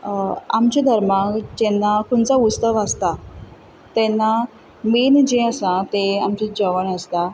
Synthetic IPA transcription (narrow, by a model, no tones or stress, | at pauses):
amt͡ɕed̪ʱəɾmakd͡ʑɛnːakuɳt͡saust̪əʋast̪a | t̪ɛnːa | mind͡ʑeasãt̪eamt͡ɕid͡ʑəʋəɳast̪a